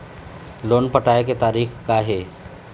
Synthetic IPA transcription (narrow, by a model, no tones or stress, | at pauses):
loːnpəʈaːeket̪aːɾiːxkaɦeː